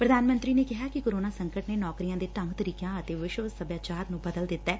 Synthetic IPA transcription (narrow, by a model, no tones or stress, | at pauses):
pɾəd̪aːnmə̃nt̪ɾiːneːkɪɦaːkɪkoːɾoːnaːsə̃ŋkəʈnenɔːkɾijãːd̪eːt̪əmt̪əɾiːkjãːət̪eːʋɪʃoːzsəbjaːt͡ʃaːɾnũːbəd̪əld̪ɪt̪ːɛː